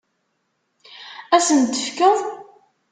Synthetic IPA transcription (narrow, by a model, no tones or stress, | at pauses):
æsənt̪ːəfkəðˤ